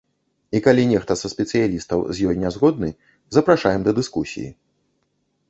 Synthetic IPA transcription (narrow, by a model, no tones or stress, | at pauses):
ikalʲinʲɛxt̪ɐsɐsʲpʲɛt̪sɨjalʲist̪ɐwzʲjɔjnʲazɣɔd̪̚nɨ | zɐpɾaʂajɛmd̪ɐd̪ɨskusʲḭjḭ